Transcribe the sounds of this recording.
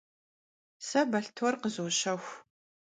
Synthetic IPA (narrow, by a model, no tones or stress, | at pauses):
sɐbɐɬtʰɔrqəzoːɕɐxʷ